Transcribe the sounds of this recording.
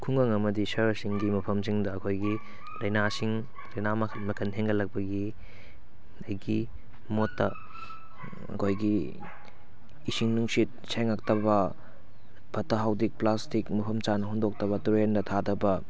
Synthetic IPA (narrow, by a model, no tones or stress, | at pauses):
kʰuŋɐŋɐmɐdisɐɾsiŋɡimɐpʰɐms̬iŋdɐːkʰojɡi | lɐjnasiŋ | lɐjnam | mɐkʰɐnɦeŋɡɐlɐk̚pɐɡi | ɐjɡi | motːɐ | ɐ̰kʰojɡi | siŋnuŋsit̚seŋak̚tɐbɐ | bʰʱɐtɐɦawdik̚plastikmɐpʰɐmt͡ʃanɐɦoŋdok̚tɐβɐtuɾendɐtʰadɐbɐ